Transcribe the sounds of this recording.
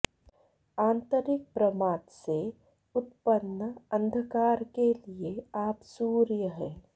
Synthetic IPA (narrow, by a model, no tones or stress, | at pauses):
ãːnt̪əɾɪk̚pɾəmaːt̪se | ʊt̪pənːəə̃nd̪ʱəkaːɾkelieaːpsuːɾjəɦɛː